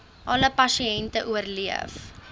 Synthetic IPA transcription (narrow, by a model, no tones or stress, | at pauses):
ʔɐləpɐsiɛntəʔuərliəf